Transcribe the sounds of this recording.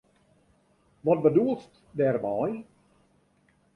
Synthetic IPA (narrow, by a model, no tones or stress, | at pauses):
ʋɔt̚bəduəlˠst | dɛːrmaj